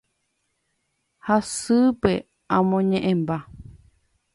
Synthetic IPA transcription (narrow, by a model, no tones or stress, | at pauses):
hasɨpe̞ | ãmõɲẽʔẽmba